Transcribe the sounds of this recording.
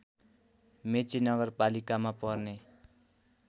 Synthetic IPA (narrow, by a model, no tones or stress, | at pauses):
met͡sinʌɡʌrpalikamapʌrne